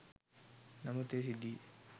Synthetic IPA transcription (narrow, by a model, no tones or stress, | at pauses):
nɐmut̪es̬id̪i